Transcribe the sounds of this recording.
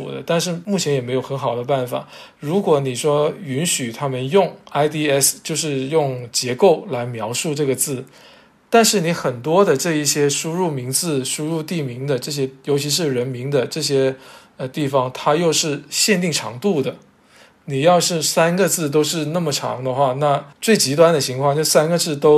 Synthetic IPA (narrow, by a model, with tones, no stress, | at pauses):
ṵ˨˩d̪ə̰˦t̪a˥˧nʂɻ̩˥˧mu˥˩t͡ɕʰjɛ˧˥njɛ˨˩me˧˥ɪjo˨˧ʊxə˧˥nxɑ˨˩ʊd̪ə˦pa˥˩nfa̰˨˩˦ɻu˧˥kwɔ˧˥ni˨˩ʂwɔ˥y˧˥nɕy˨˩t̪ʰa˥mə˨njʊ˥˩ŋa˥ɪt̪i˥ɛ˥st͡ɕjo˥˧ʊʂɻ̩˥˧jʊ˥˩ŋt͡ɕjɛ˧˥ko˥˩ʊla˧˥ɪmjɑ˧˥ʊʂu˥˧ʈ͡ʂɤ˥˩ɡə˩t͡sɹ̩˥˩ | t̪a˥˧nʂɻ̩˥˩ni˧˥xə˨˩nt̪wɔ˥d̪ə˨ʈ͡ʂɤ˥˧i˥˩ɕjɛ˥ʂu˥ɻu˥˩mi˧˥ŋt͡sɹ̩˥˩ʂu˥ɻu˥˧t̪i˥˩mi˧˥ŋd̪ə˧ʈ͡ʂɤ˥˩ɕ̬jɛ˥jo˧˥ʊt͡ɕʰi˧˥ʂ̬ɻ̩˥˩ɻə˧˥nmi˧˥ŋd̪ə˧ʈ͡ʂɤ˥˩ɕjɛ˥ | ə˧t̪i˥˩fɑ˩ŋt̪ʰa˥jo˥˧ʊʂɻ̩˥˧ɕjɛ˥˧nt̪i˥˩ŋʈ͡ʂʰɑ̰˧˥ŋt̪u˥˩d̪ə˩ | ni˨˩jɑ˥˧ʊʂɻ̩˥˧sa˥nɡə˨t͡sɹ̩˥˩t̪̬o˥ʊʂɻ̩˥˧na˥˩mə˩ʈ͡ʂʰɑ̰˧˥ŋd̪ə˧xwa˥˧na˥˧t͡swe˥˩ɪt͡ɕi˧˥t̪wa˥nd̪ə˨t͡ɕʰi˧˥ŋkʰwŋt͡ɕjo˥˧ʂsa˥nɡə˨˧t͡sɹ̩˥˩t̪o˥ʊ